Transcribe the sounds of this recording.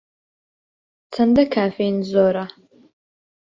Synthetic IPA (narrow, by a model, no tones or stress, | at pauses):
t͡sʰɐndɐkʰaːfejnzoɾa